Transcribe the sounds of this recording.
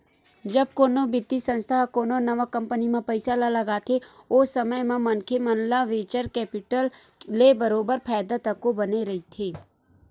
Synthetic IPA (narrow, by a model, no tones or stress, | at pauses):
d͡ʒɐb̚koːnobɪt̪ːisə̃nst̪ʰaɦkoːnonɐʋakɐ̃mpənimẽpɐɪsalalɐɡaːt̪ʰeosəməjmẽmɐnkʰemənlaʋeːt͡ʃəɾkɛːpɪʈəlː | ebəɾoːbəɾpʰɛːd̪at̪ɐkːobɐneɾɐɦit̪ʰeː